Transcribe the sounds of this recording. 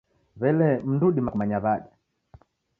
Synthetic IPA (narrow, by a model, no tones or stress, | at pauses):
βɛlɛm̩nduɗimakumaɲaβaɗa